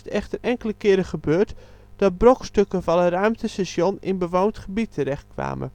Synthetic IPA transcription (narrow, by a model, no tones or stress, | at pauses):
tɛxtərɛŋkələkɪəɾəχəbøːrt | d̥ɔt̚brokstøkəvɑnərœɥmtʰəsɛsjonɪnbəʋowntχəbitʰəɾɛxt̚kʋa̰ːmə̰